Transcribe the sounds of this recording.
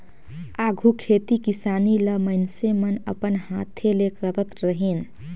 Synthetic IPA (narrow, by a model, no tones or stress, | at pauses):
aɡʱukʰet̪ikisaniləməɪnsemənə̰pənhat̪ʰelekəɾət̪ɾəɦin